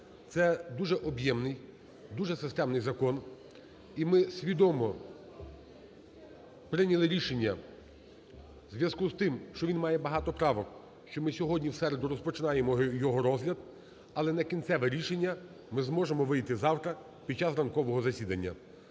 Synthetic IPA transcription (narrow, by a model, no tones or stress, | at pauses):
t̪sɛd̪uʒɛʔɔbjɛmnɪj | d̪uʒɛsɪst̪ɛmnɪjzɐkɔn | imɪsʲʋʲid̪ɔmɔ | pɾɪnʲɐlˠɪɾʲiʃenʲːɐ | zʲʋʲjɐskuzt̪ɪmʃt͡ʃɔʋʲinmɑjɛbɐɦɑt̪ɔpɾɑʋɔk | ʃt͡ʃɔmɪsʲɔɦɔdʲnʲiwsɛɾed̪ʊɾɔspɔt͡ʃɪnɑjemɔjɔɦɔɾɔzɦlʲɐd̪ | ɐlˠɛnɛkʲinʲt̪sɛʋɛɾʲiʃenʲːɐ | mɪzmɔʒemɔʋɪjt̪ɪzɑwt̪ɾɐ | pʲid̪̚t͡ʃɑsrɐnkɔʋɔɦɔzɐsʲid̪ɐnʲːɐ̰